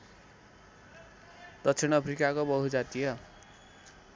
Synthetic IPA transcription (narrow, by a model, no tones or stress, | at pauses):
d̪̥ʌkt͡sʰinʌpʰrikakobʌɦud͡zat̪ijʌ